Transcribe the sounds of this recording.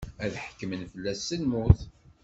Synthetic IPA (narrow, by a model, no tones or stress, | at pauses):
æðħə̥kːəmənfəlːæsːənmʊθ